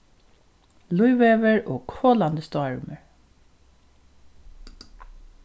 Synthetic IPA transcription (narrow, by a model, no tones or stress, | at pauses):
lʊɪʋeːʋəɹoːɡkʰoːland̪əst̪ɔɹməɹ